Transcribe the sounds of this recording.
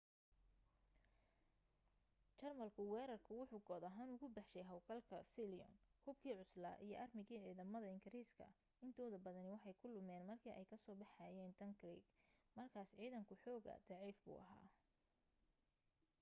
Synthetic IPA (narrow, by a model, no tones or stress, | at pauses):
t͡ʃɐrmɐlkʰʊwɛːɾɐrkʰʊwʊħuːɡɔːðɐɦaːnʊɣʊbɑħʃɛjɦɐwkʰɐlkʰɐsiliɔ̰nhʊbkʰiːʕʊsla̰ːʔijɞʔɐrmɪɣiːʕiːðɐmɐðɐɪŋɡɪɾiːskʰɐ̰ | ɪnt̪ʰɔːðɐbɐðɐnɪwɑħɑjkʰʊlʊmɛːnmɐrkʰiːʔɛjkʰɐsɔːbɑħɑjɛːnt̪ʰɐŋɡrḭːɡmɐrkʰaːsʕiːðɐŋkʰʊħɔːɣɐ̰d̪̥ɑʕiːfbṵːʔɐɦa̰ː